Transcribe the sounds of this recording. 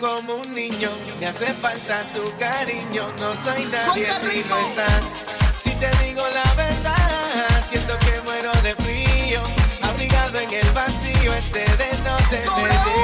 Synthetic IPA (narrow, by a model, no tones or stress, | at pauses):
komouŋnĩɲo | ŋasefalt̪at̪ukaɾiɲonõsojnaðjesiloest̪as | sit̪eðiɣolaβeɾðasjent̪okemweɾoðefɾioaβɾiɣaðoeŋelβasioest̪eðenõt̪epeɾði